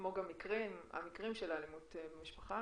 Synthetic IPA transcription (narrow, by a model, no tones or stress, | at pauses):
moɡamikʁima̰mikʁimʃelalimutebemiʃpaχa